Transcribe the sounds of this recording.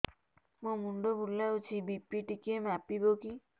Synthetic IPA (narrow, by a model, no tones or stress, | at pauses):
mõmuɳɖobʱulawt͡ʃʰibipiʈikemapiboki